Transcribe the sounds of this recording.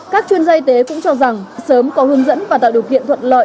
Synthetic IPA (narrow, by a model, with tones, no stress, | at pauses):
kaː˦˥k̚t͡ɕwi˧ənzaː˧ʔi˧t̪e˨˦kʊ̰˧˥ŋ͡mt͡ɕɔ˧za˨˩ŋsəː˨˦mkɔ˨˦hɨ˨˦əŋzə̰˧˥nvaː˨˩t̪a̰ː˧˨wɗɨ˨˩ək̚ḭ˧˨ənt̪ʰwə˧˨n̚lə̰˧˨j